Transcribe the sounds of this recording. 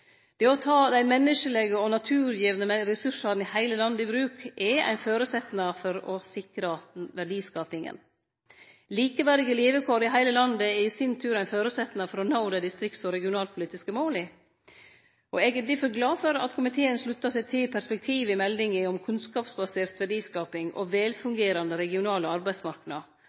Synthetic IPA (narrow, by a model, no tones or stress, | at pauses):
d̪̥ɛɔt̪ʰɑːd̪æɪmɛnːəʂəlɛɡəɔnɑt̪ʰʉːɾjiːʋnəɾɛsʉʂɑɾnɪhæɪləlɑnd̪əɪbɾʉːkʔɛæ̰ɪnføːɾʉsɛt̪ːnɑfɔɾɔsɪkɾəʋæɖiːskɑːpɪŋə̰n | liːkəʋæɾɪɡəleːʋəkʰoːɾɪɦæɪləlɑnd̪əɛisɪnt̪ʰʉːɾæɪnføːɾʉsɛt̪nɑfɔɾɔnɑʊd̪æd̪ɪst̪ɾɪkt̪sɔɾɛɡɪʊnɑːlpʰʊliːt̪ɪskəmoːlɪ | ʔɔɛɡəd̪ɪfɔɾɡlɑːfɔɾɑ̰t̪kʰʊmɪt̪ʰeːənʂlʉt̪ːɑsɛɪt̪ʰɪpʰæspɛk̚t̪ʰiːʋɪmɛld̪ɪŋɪɔmkʰʉnskɑːpsbɑseːɾt̪ʋæɖiːskɑːpɪŋɔ̰ʋɛːlfʉŋɡeːɾɑnd̪əɾɛɡɪʊnɑːləɑɾbæɪsmɑɾknɑ